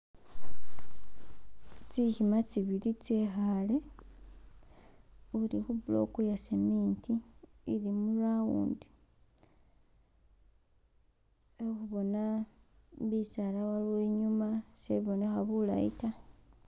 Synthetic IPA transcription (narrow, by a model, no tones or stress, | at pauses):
t͡sihimat͡siβilit͡sexale | ulixuβulo̰kujasemiːntiːlimulawṵːndi | exuβo̞na | βisalawalweːɲumaseβo̞ne̞xaβula̰ḭta